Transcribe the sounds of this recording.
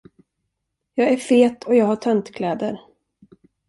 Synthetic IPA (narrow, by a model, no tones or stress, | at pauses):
jɑːɡæɾfeːt̪ʰɔjɑːɡhaʈʰœnt̪kʰlɛːd̪əɾ